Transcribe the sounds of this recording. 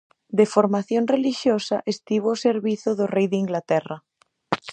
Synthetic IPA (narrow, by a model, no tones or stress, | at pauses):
d̪efoɾmaθjonreliʃjosaʔest̪iβoːseɾβiθoðorejðeiŋɡlat̪era